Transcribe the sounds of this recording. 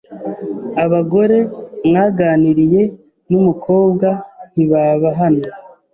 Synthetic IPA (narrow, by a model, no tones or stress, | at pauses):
aβaɡo̞ɾe̞mŋaːɡaːniɾije̞ | numukʰo̞ːbɡan̥iβaːβaɦano